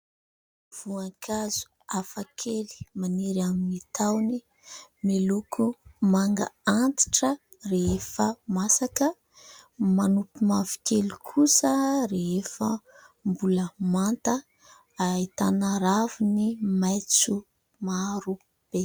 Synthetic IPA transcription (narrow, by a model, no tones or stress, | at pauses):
v̥uaŋkʰazu̥ | afakʰeli̥maniɾaminit̪ʰawni | milukʰumaŋɡa̰ant̪i̥ʈ͡ʂə | reefəmasakə | manupimavi̥kelukʰusəreefə | mbuləmant̪ə | ait̪anaɾavinimajt͡su | maɾu | b̥e